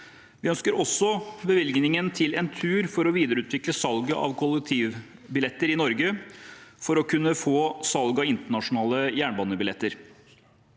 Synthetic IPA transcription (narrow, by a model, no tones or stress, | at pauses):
ʋɪœnskəɾɔsːɔbəʋɪlɡnɪŋənt̪ʰɪlɛnt̪ʰʉːɾfɔɾɔʋiːd̪əɾəʉːt̪ʰʋɪkləsɑlɡəʔɑ̰ʋkʰʊlːɛk̚t̪ʰiːʋ | bɪlɛt̪ːəɾɪnɔɾɡə | fɔɾɔkʰʉnːəfoːsɑlɡɑɪnt̪əɳɑʂʊnɑːləjæːɳbɑːnəbɪlɛt̪ːəɾ